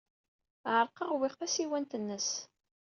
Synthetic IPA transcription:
ʕəɾˤqəʁwɪʁθæsiwænt̪ənːəs

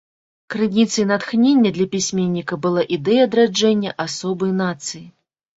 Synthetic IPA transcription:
kɾɨnʲit̪sɐjnat̪xnʲenʲːɐd̪lʲɐpʲisʲmʲenʲːikɐbɨlˠaʔid̪ɛjɐːd̪ɾad͡ʐɛnʲːɐʔasɔbɨjnat̪sɨji

